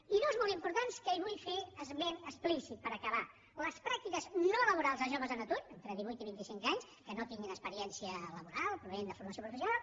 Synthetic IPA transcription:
iðuwzmolˠimpuɾt̪anskəiβujfeəzβenəsplisit̪̚pəɾəkəβa | ləspɾak̚t̪ikəznoləβuɾalˠzðəʒoβəzðənət̪uɾent̪ɾəðiβujt̪iβint̪isiŋkaɲs | kənot̪iŋɡinəspəɾiɛnsiələβuɾalˠpɾuβnend̪əfuɾməsjopɾufəsjunalˠ

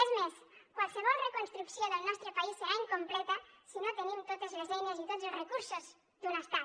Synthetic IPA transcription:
ezmes | kwalseβ̞ɔlrekonst̪ɾuksjoðelnɔst̪ɾopaisːeɾaiŋkomplet̪asinot̪enimt̪ot̪ezlezeɲezit̪ot̪sorekuɾsoz | d̪unast̪a

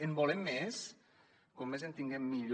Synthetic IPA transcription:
embolemːes | komːezent̪iŋɡemːiʎ

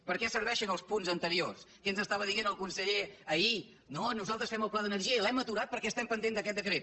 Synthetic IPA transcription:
pəɾkɛsəɾβɛʃənəlˠspunzənt̪əɾios | kɛnzəst̪aβəðiɣenəlˠkunsəʎeəi | nonuzalˠt̪ɾəsfɛməlˠplaðənəɾʒiəilɛmət̪uɾat̪̚pəɾkɛəst̪ɛmpənd̪end̪əkɛt̪̚d̪əkɾet̪

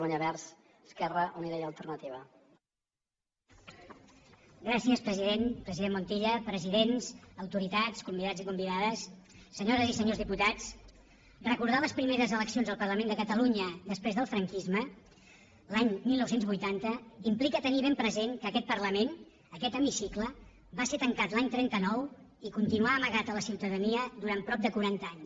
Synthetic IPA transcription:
aɲəβɛɾs | skɛrəʔuniðɛjəlˠt̪ərnət̪iβə | ɡɾasiəspɾəziðenpɾəziðemːunt̪iʎəpɾəziðenzəwt̪uɾit̪at͡skumbiðad͡zzikumbiðaðəsːəɲoɾəzisəɲozðiput̪at͡s | rəkuɾð̞aləspɾimeɾəzələksionzðəlˠpərləmẽnd̪əkət̪əluɲəd̪əspɾezðəlˠfɾəŋkizmə | laɲmilˠnɔwsenzβujt̪ant̪əimplikət̪əniβempɾəzeŋkəːkɛt̪̚pəɾləmen | əkɛt̪əmisiklə | baset̪əŋkat̪laɲt̪ɾɛnt̪ənɔw | ikunt̪inuaːməɣat̪ələsiwt̪əðəniəd̪uɾanpɾɔp̚d̪əkuɾant̪əaɲs

